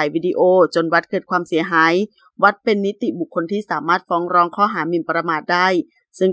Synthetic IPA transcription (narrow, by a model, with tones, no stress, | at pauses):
jwiː˧˩diː˧ʔoː˧˩t͡ɕo˧nwa˦˥t̪̚kɤː˨˩t̪̚kʰwaː˧msi˨˩˦ɐɦaː˩˦j | wa˦˥t̪̚pe˧nːi˦˥t̪i˨˩bu˨˩kʰːo˧nt̪ʰiː˥˩saː˨˩˦maː˥˩t̪̚fɔː˦˥ŋɾɔː˧ŋkʰɔː˥˩ɦaː˩˦mi˨˧˩npɾa˧maː˨˩t̪̚daː˥˩j | sɯ˥˩ŋ